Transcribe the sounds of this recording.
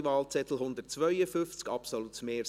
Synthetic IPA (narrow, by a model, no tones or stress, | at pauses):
ʋɑːlt͡sɛt̪l̩ɦʊnd̪ətt͡svœʏəfʏnft͡skɑpsolutmeː